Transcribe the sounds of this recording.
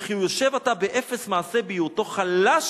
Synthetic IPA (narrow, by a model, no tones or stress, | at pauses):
χiujoʃevatabeʔefesmaːsebejuto̞χalaʃ